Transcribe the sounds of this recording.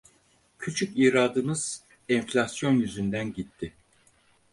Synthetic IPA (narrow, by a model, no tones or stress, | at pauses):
cʰyt͡ʃʰyciːɾaːd̪ɯmɯz̥ | ɛnflʲasjo̞njyzynd̪ænɟit̪ʰːɪ